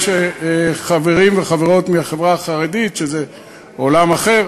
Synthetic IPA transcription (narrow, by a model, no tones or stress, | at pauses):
ʃeχaveʁimveχaveʁo̞tmiaχevʁaːχaʁeditʃeze | olamaχeʁ